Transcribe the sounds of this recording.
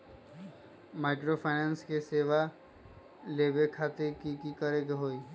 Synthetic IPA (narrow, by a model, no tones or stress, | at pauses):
maɪkɾopʰaɪnẽnskeseːʋa | leːbekʰaːt̪ekikikəɾeɡeɦoːi